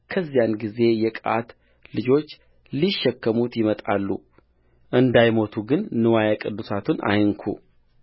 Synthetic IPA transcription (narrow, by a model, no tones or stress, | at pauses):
kʰəzːijanɡize̞jɛkʼa̰t̪ | lɨd͡ʒo̞t͡ʃː | liʃːɛkːəmut̪jɪmət̪ʼa̰lːṵ | ʔɨnd̪ajmo̞t̪ʰuɡɨnːɨwajakʼɨd̪ːusat̪ʰunʔa̰jɨŋkʰṵ